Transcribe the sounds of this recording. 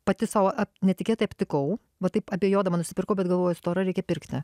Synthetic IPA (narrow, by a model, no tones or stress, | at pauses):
pɐt̪ʲɪsɑːʋɐʔɐpnʲɛt̪ʲɪkʲeːt̪ɐɪɐpʲt̪ʲɪkɐʊ | ʋɐt̪ɐɪpɐbʲeːjoːd̪ɐʋɐnʊsʲɪpʲɪrkɐʊbʲɛt̪ɡɐlˠʋoːjɛsʊ̥t̪oːɾɐɾʲɛɪkʲɛpʲɪɾʲkt̪ʲɪ